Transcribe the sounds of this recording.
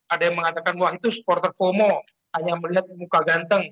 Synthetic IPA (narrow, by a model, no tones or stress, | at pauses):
adajaŋməŋat̪akanuait̪usə̥pɔrt̪ərfomo | haɲaməliɦat̪̚mukaɡant̪əŋ